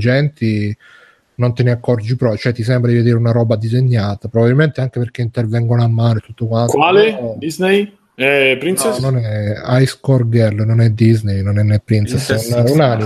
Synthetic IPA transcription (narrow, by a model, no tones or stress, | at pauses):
d͡ʒɛnt̪i | nont̪eniakːɔrd͡ʒipɾɔt͡ʃoɛt̪ːisɛmbɾad̪ived̪iːɾeunaɾɔbad̪izeɲːaːt̪apɾobabilment̪eaŋk̟eperk̟eint̪ervɛŋɡonoamːaːnoet̪ːut̪ːokwantk̪waːled̪iznej | ɛpɾinsenonɛajskɔrɡɛlnonɛd̪iznejnonɛnːɛpːɾint̪sɛsnunani